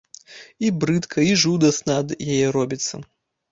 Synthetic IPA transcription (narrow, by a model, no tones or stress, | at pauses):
ibɾɨt̪kʰɐiʐud̪ɐsnɐɐd̪jajɛɾɔbʲit̪sːɐ̰